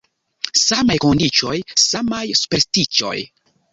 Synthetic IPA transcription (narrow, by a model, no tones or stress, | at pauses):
samajko̞ndit͡ʃo̞jsamajsu̥peɾstit͡ʃo̞̰j